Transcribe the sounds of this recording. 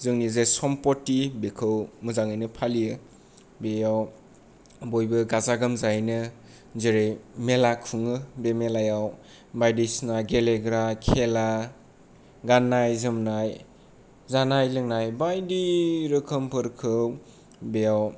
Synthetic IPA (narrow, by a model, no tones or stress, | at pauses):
zɯŋnizesɔmpɔtːibekʰɯwmɯzaŋɯjnɯpʰalijɯ | bejaw | bojbɯɡazaɡɯmzajnɯ | zeɾejmelakʰuŋɯbemelajaw | bajdisnajɡeleɡɾakʰela | ɡanːajzɯmnaj | zanajlɯŋnajbajdiɾɯkʰɯmpʰɯɾkʰɯw | bejaw